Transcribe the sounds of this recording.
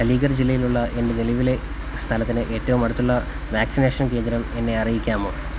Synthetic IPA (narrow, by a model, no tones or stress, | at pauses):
ɐliːɡɐrd͡ʑilːɐjiluɭːɐʔe̞ndɨneliʋile̞ | st̪ʰɐlɐt̪ːinɨʔe̞ːtːɐʋumɐɽut̪ːuɭːɐ | ʋaːksineːʂɐnke̞ːnd̪ɾɐme̞nːe̞ɐrijikʲːaːmo